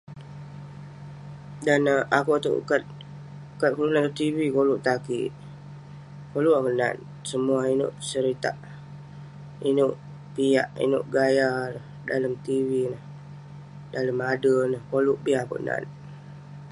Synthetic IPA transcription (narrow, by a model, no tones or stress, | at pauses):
danakot̪o̰ʔkat̪̚ | kat̪̚kululant̪ot̪iwikoluʔt̪akḭt̪̚ | koluʔakəna̰t̪ | səmuainʊ̰ʔsəɾit̪a̰ʔ | inʊʔ | pijaʔḭnʊ̰ʔɡajaɾə | daləmt̪iwinəh | daləmadənəhkolʊʔbiako̰ʔna̰n̚